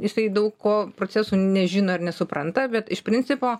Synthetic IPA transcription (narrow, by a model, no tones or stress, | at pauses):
jɪsɐɪd̪ɐʊkkoːpɾoːt͡sʲæsuːnʲɛʒʲɪːnoːɐrnʲɛsʊpɾɐnt̪ɐbʲɛt̪ɪʃpʲɾʲɪnʲt͡sʲɪpoː